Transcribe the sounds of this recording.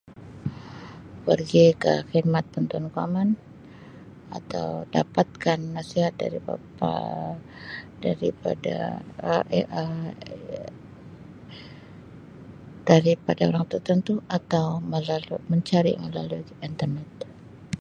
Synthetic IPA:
pərɡikə̰xid̪̚mat̪̚pənt̪ɔnkua̰man | at̪a̰wdapat̪̚kanːasiɦat̪̚da̰ɾiba̰pa̰ | daɾipa̰da̰ | ə | d̥aɾipadaoɾaŋt̪ərt̪ənt̪uʔat̪awməlaluməɲt͡ʃaɾḭməlalu | int̪ərnɛt̪̚

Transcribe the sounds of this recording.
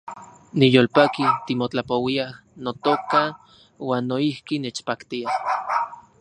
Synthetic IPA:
nijoːlpakit̪imot͡ɬapowiah | not̪oka | waːnːoihkinet͡ʃpakt̪iah

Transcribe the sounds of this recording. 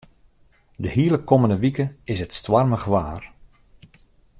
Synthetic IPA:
dəɦiːələkoməndəʋikəɪsɦətstʋarməɣəʋaːr

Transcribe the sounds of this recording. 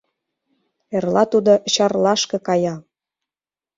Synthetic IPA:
erlɑt̪ud̪oɕɑrlɑʃkɤ̆kɑjɑ

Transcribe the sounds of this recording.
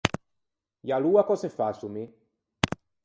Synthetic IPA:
jaluakɔsefasumi

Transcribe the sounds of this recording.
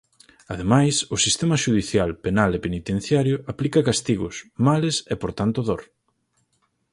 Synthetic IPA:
aðemajsʊsist̪emɐʃuðiθjalpenalepenit̪ẽn̟θjaɾjʊaplikɐkast̪iɣʊsmalesepoɾt̪ant̪ʊðoɾ

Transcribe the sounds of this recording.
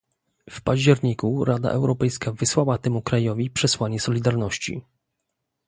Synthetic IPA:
fpaʑd͡ʑɛɾɲikuɾʔad̪a̰ʔɛwɾɔpɛjskavɘswawat̪ɛmukɾajɔvʲipʂɛswaɲɛsɔlʲid̪aɾnɔɕt͡ɕḭ

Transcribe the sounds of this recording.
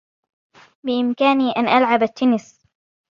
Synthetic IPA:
bɪʔɪmkaːniːʔanʔalʕabat̪ːʊnɪs

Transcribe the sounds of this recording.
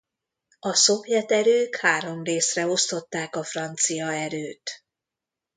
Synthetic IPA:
ɒso̞pjɛt̪ɛɾøːkhaːɾo̞mreːsrɛo̞st̪o̞t̪ːaːkɒfrɒnt̪sijɒɛɾøːt̪

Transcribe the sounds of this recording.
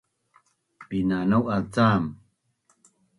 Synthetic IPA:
pinanawalt͡sam

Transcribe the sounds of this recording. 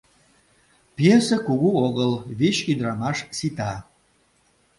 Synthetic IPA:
pjesəkuɣuoɣəlβit͡ɕyd̪ɾɑmɑʃsit̪ɑ

